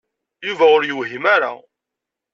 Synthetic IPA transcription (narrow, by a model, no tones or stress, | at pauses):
juvæʊɾjəɦimaɾa̰